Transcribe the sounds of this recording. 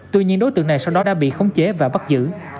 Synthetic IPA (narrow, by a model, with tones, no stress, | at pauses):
t̪wi˧ɲi˧ənɗo˨˦jt̪ɨ̰˧˨əna˨˩jsa˧wɗɔ˨˦ɗa̰ː˧˥ɓḭ˧˨xə˧wŋ͡mt͡ɕe˨˦vaː˨˩ɓa˦˥t̚zɨ̰˧˨